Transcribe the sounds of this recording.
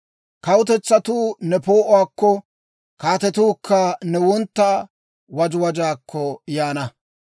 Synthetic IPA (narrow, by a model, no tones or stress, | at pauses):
kɐwʊt̪̬ɛt͡sːɐt̪uːnɛpoːʔʊwaːkːɔ | kaːt̪ɛt̪uːkʰːɐnɛwɔnt̪ːaː | wɐd͡ʒʊwɐd͡ʒaːkʰːɔjaːnɐ